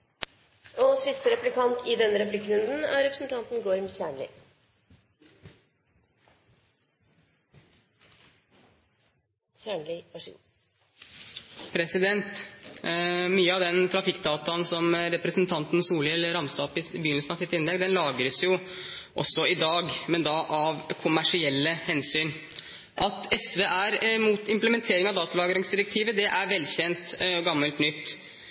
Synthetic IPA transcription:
ɔsɪst̪əɾɛplɪkʰɑnt̪ʰɪd̪ɛnːəɾɛplɪkːɾʉnd̪n̩æ̰ɾɾɛpɾəsn̩t̪ʰɑnt̪n̩ɡoɾmçæːɳɭɪ̰ | çæːɳlɪʋæʂṵ | pʰɾɛsɪd̪ɛnt̪ | myːəɑʋd̪ɛnt̪ʰɾɑfɪkːd̪ɑːt̪ɑnsɔmɾɛpɾɛsnt̪ʰɑnt̪n̩suːlɪəlːəɾɑmsɑpːɪbjʏnlsnɑsɪt̪ːɪnlɛɡd̪ɛnlɑːɡəɾəsjʊ | ʔɔ̰sːɔɪd̪ɑːɡmɛnd̪ɑʔɑʋkʰʊmæʂɪɛlːəhɛnsyːn | ʔɑt̪ɛsʋeːʔæɾmuːt̪ɪmpləmɛnt̪ʰeːɾɪŋɑʋd̪ɑːt̪ɑlɑːɡəɾɪŋsd̪ɪɾɛk̚t̪ʰiːʋəd̪ɛʔæɾʋɛlçɛnt̪ɡɑmːəlt̪nʏt̪ː

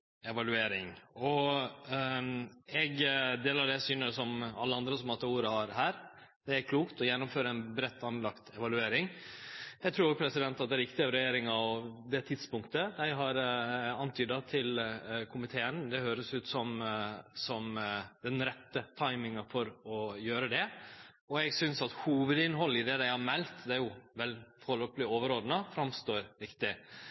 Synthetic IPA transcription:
ɛʋɑlʉeːɾɪŋɔ | ɛɡd̪eːlɑɖɛsyːnəsɔmɑ̰lːəɑnd̪ɾəsɔmɑt̪ːuːɾəhɑɾɦæːɾ | d̪ɛæɾkʰluːkt̪ɔjɛnːʊmføːɾəɛnbɾɛt̪ːɑnlɑkt̪ɛʋɑlʉeːɾɪŋ | ɛt̪ʰɾuːoɡpʰɾɛsɪd̪ɛnt̪ɑt̪̚d̪ɛæɾʋɪk̚t̪ɪɑʋɾɛjeːɾɪŋɑɔd̪ɛt̪ʰɪd̪spʊŋkt̪əd̪æɪɦɑɾɑnt̪ʰyːd̪ɑt̪ʰɪlkʰʊmɪt̪ʰeːənd̪ɛhøːɾəsʉːt̪sɔmsɔmd̪ɛnɾɛt̪ːət̪ʰɑɪmɪŋɑfɔɾɔjøːɾəd̪ɛ | ɔɛɡsʏnsɑt̪huːʋəd̪ɪnɦɔlːɪd̪ɛd̪æɪhɑmɛlt̪d̪ɛæɾjʊʋɛlfɔɾɭoːpəlɪoːʋəɾoːd̪ənəfɾɑmst̪oːɾɾɪkt̪ɪ

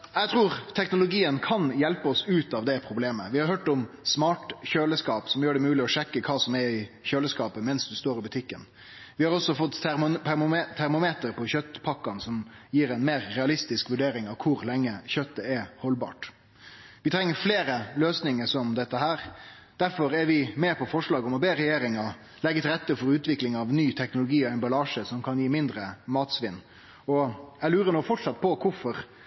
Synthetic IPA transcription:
jɛt̪ʰɾuːɾt̪ʰɛknʊlʊɡiːənkʰɑnjɛlpəɔsʉːt̪ɑʋd̪ɛpʰɾʊbleːmə̰ʋɪhɑɾhøːʈɔmsmɑːʈçøːləskɑːpsɔmjøːɖɛmʉːlɪɔʂɛkːəkʰɑːsɔmɛɾɪçøːləskɑːpəmɛnsd̪ʉst̪oːɾɪbʉt̪ʰɪkːən | ʋɪhɑɾɔsːɔfɔt̪ː | t̪ʰæɾmʊmeːt̪əɾpʰɔçœt̪ːpʰɑkːɑnsɔmjiːɾɛɪnmeːɾːɛɑlɪst̪ɪskʋʉɖeːɾɪŋɑʋkʰʊɾlɛŋːəçœt̪ːəɛhɔlbɑ̰ːʈ | ʋɪt̪ʰɾɛŋːəɾfleːɾəløːsnɪŋəsɔmd̪ɛt̪ːəɦæːɾ | d̪̥æɾfɔɾæɾʋɪmɛpʰɔfɔʂlɑːɡɔmɔbeːɾɛjeːɾɪŋɑ | lɛɡːət̪ʰɪlɾɛt̪ːəfɔɾʉːt̪ʰʋɪklɪŋɑʋnyːt̪ʰɛknʊlʊɡiːɔɛnbɑlɑːʂəsɔmkʰɑnjiːmɪnd̪ɾəmɑːt̪sʋɪnː | ɔæɡlʉːɾənuːfɔʈʂɑt̪ːpʰɔkʰʊɾfɔɾ

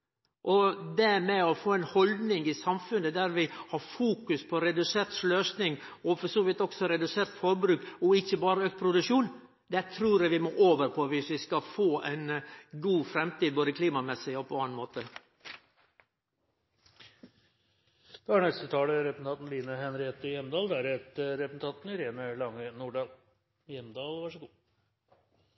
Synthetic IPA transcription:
ʔɔd̪ɛmɛɔfoːɛɪnhɔld̪nɪŋɪsɑmfʉnəd̪æɾʋɪhɑɾfuːkʉspʰɔɾɛd̪ʉseːɾt̪løːsnɪŋ | ɔfɔɾsoːʋɪt̪ːɔksɔɾɛd̪ʉseːɾt̪fɔɾbɾʉːkɔɪçːəbɑːɾəøːkt̪̚pʰɾʊd̪ʉʂuːn | d̪ɛt̪ʰɾuːɾjɛʋɪmɔʔoːʋəɾpʰɔʋɪsʋɪskɑfoːʔɛɪnɡuːfɾɛmt̪iːd̪boːd̪əkʰliːmɑmɛsɪɔpʰɔɑːnmoːt̪ə | d̪̥ɛæɾɳɛst̪ət̪ʰɑːləɾɛpɛsnʰɑnn̩liːnəhɛnɾeːt̪əjɛmd̪ɑːld̪æɾɛt̪ɾɛpsn̩t̪ʰɑnt̪nɪɾeːnəlɑŋːənuːɖɑːl | jɛmd̪ɑːlʋɑʂəɡuː

